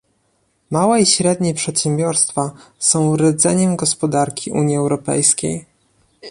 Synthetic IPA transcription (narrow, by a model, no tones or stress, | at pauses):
mawɛiɕɾɛd̪ɲɛpʂɛt̪ɕɛmbʲjɔɾst̪fasɔ̃w̃ɾɛd̪zɛɲɛmɡɔspɔd̪aɾkʲʰiʔuɲiɛwɾɔpɛ̰jskʲḛj